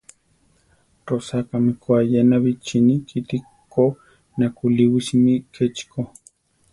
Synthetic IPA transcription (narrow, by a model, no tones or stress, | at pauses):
ɾosakamikwajenaβit͡ʃinikʰit̪i | ko | nakuliwismikʰet͡ʃko